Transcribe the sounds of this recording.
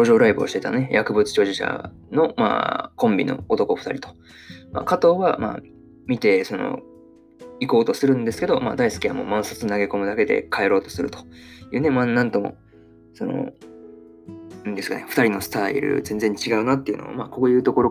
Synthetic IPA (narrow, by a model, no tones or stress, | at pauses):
oʑo̞ːɾaibɯoɕi̥t̪e̞t̪anone̞jʔakɯ̟bɯ̟t͡sɨ̥t͡ɕo̞ːʑiɕa̰ | no̞ma̰ːkõ̞mbʲino̞̰ot̪o̞ko̞ɸɯ̥t̪a̰ɾʲit̪o̞̥ | ma̰ːkat̪o̞ːβama̰ː | mʲit̪e̞so̞no̰ | iko̞ːt̪o̞sɨɾɯ̟̃nd̪e̞sɨ̥ke̞d̪o̞ma̰ːd̪aisɨ̥kʲia̰mo̞̰mãɰ̃sot͡sɨnaɡe̞ko̞mɯ̟d̪ake̞d̪e̞̰kʰae̞ɾo̞ːt̪o̞̥sɨɾɯ̟t̪o̥jɯ̟ːne̞manãnt̪o̞mo̞̰ | so̞no̞̰ | ĩnd̪e̞sɨ̥ka̰neɸɯ̟t̪aɾʲino̞sɨ̥t̪aḭɾɯ̟̰zẽ̞nd͡zẽ̞ɲt͡ɕiɡaɯ̟nat̪ːe̞jɯ̟̰no̰a̰maːko̞ːjɯ̟ːt̪o̞ko̞ɾo̞